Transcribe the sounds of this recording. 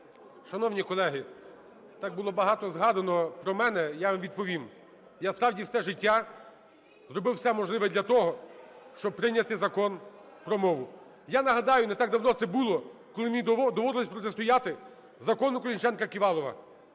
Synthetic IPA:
ʃɐnɔwnʲikɔlˠɛɦɪ | t̪ɑk̚bʊlˠɔbɐɦɑt̪ɔzɦɑd̪ɐnɔpɾɔmɛnɛjaʋʲid̪̚pɔʋʲim | jaspɾɑwdʲiwsɛʒɪtʲːa | zɾɔbɪwsɛmɔʒlˠɪʋɛd̪lʲɐt̪ɔɦɔʃt͡ʃɔb̚pɾɪnʲːɐt̪ɪzɐkɔnpɾɔmɔʋʊ | janɐɦɐd̪ɑjʊnɛt̪ɑɡ̚d̪ɐwnɔt̪sɛbulˠɔkɔlˠɪmʲijd̪d̪ɔʋɔɾɪlˠɪsʲpɾɔt̪est̪ʊjɑt̪ɪ | zɐkɔnʊkɔɾʲinʲt͡ʃɛnkɐkʲiʋɑlˠɔʋɐ̰

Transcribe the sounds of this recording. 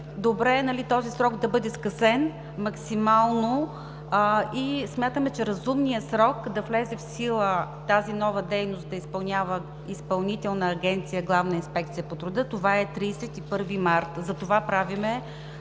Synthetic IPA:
d̪obɾɛːnɐlit̪ɔzisɾɔɡd̪ɐbɤd̪ɛskɐsɛn | mɐksimalˠno | ismʲjat̪əmɛt͡ʃɛɾɐzumnijəsɾɔkd̪ɐflɛzɛfsilˠət̪azinɔvəd̪ɛjnost̪̚d̪ɐispɐlˠnʲjavə | ispɐlˠnit̪ɛlˠnəːɡɛnt̪sijəɡlˠavnəinspɛk̚t̪sijəpot̪ɾud̪ɤt̪ovaɛt̪ɾiːsɛt̪ipɤɾvimaɾt̪zɐt̪ovapɾavimɛ

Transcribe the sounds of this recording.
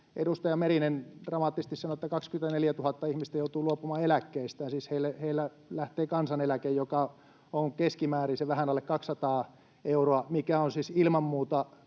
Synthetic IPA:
ʔḛdust̪ɑjɑmerinend̥rɑmɑt̪ːises̆t̪issɑnoet̪ːækɑkskymet̪æneljæt̪uhɑt̪ːɑihmist̪æjout̪uːluopumɑːelækːeist̪æːnsiːsheilːeheilːæ | læht̪eːkɑnsɑnelækejjokɑ | oŋkeskimæːriseʋæhænɑlːekɑksːɑt̪ɑː | euroɑmikæonsiːsilmɑmmuːt̪ɑ

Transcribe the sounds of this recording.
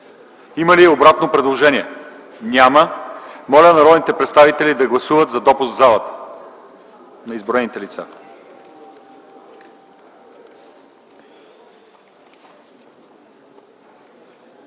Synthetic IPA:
iməliobɾat̪nopɾɛd̪lˠoʒɛniɛ | nʲaməmɔlʲənɐɾɔd̪nit̪ɛpɾɛt̪st̪avit̪ɛlid̪ɐɡlˠɐsuvət̪zɐd̪ɔpuszalˠət̪ə̥ | nɐizboɾɛnit̪ɛlit̪sa̰

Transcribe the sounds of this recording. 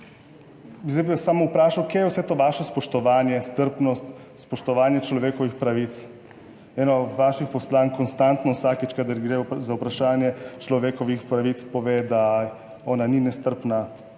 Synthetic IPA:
zɛbasaːmɔupɾaːʃawkjejɛwsɛt̪oːʋaʃɔspɔʃt̪ɔʋaːnjɛst̪əɾpnɔst̪ | spɔʃt̪ɔʋaːnjɛt͡ʃlɔʋeːkɔʋixpɾaʋit̪s | ɛːnɔd̪ʋaːʃixpɔslaːnkɔnst̪ant̪nɔwsaːkit͡ʃkad̪əɾɡɾezaupɾaʃaːnjɛt͡ʃlɔʋeːkɔʋixpɾaʋit̪spɔʋeːd̪a | ɔːnaninɛst̪əɾpna

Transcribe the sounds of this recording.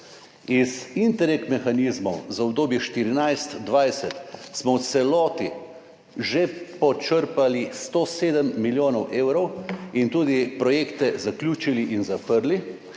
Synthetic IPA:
izint̪ɛɾek̪mɛxanizmɔwzaɔbd̪oːbjɛʃt̪iɾinajst̪d̪ʋajsɛt̪smɔwt̪sɛlɔːt̪i | ʒepɔt͡ʃəɾpalist̪oːseːd̪əmːiljoːnɔwʔeːwɾɔwint̪uːd̪ipɾɔjeːkt̪ɛzakljuːt͡ʃiliʔinzapəɾli

